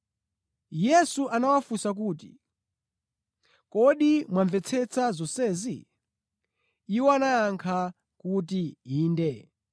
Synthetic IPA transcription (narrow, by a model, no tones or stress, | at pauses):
jɛsuʔanawafusak̬uːtḭ | kɔɗimwaɱvɛt͡sʰɛt͡sʰazɔsɛːzi | iwɔanaaŋkʰa | kut̬iiːndɛ